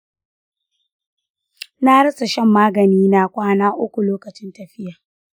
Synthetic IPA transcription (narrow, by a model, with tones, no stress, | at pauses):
na˦ɽɐ˦sʼa˨ʃɛ˦mːaː˦ɡɐ˨niː˦na˦kʷaː˦naː˦ʔʊ˦kʷu˨loː˦kɐ˨t͡ʃɪ˦ntɐ˨ɸɪ˦jaː˨